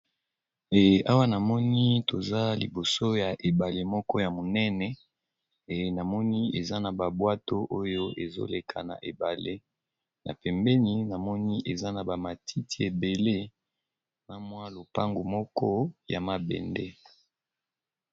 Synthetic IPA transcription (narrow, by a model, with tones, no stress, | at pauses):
e˨a˦wa˦na˨mɔ˦ni˦to˨za˦li˨bo˨so˦ja˨ʔe˨ba˨le˨mɔ˦kɔ˦ja˨mo˨nɛ˦nɛ˨ | e˨na˨mɔ˦ni˦e˨za˦na˨ba˨bwa˦to˦ʔo˦jo˦e˨zo̰˦le˨kʰa̰˨na̰˨ʔe˨ba˨le˦ | nʔa̰˨pɛ˨mbɛ˦ni˦na˨mɔ˦ni˦ʔe˨za˦na˨ba˨ma˨tʰi˦ti˦e˨be˨le˦ | na˦mwa˦lo˨pa˦ŋɡo˨mɔ˦kɔ˦ja˨ma˨bɛ̰˨ndɛ˦